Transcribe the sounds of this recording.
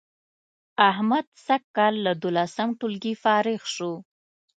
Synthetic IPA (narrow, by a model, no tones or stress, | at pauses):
ahmad̪sakːɑlːad̪olasəmʈulɡifɑɾɪɣʃo